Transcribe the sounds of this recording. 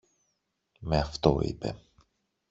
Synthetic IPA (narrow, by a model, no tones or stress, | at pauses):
me̞ɐft̪oḭpe̞̰